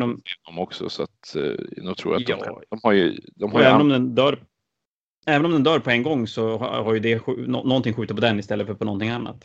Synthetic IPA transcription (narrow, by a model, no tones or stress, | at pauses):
nɔmd̪ɔmɔksɔ̰sa̰t̪not̪ʰɾṵːjat̪ɑ̰̥ɔmaɾj̰d̪ɔmhaɛːvnɔmd̪ɛnd̪œːɾ | ɛːvənɔmd̪ɛnd̪œːɾpʰɔɛŋɡɔŋːsɔhhaɾjɵd̪ɛɧɔnːɔnt̪ɪŋɧʉ̟ːt̪ət̪pʰɔd̪ɛnːɪst̪ɛlːəfœɾpʰɔnɔnt̪ɪŋanːa̰t̪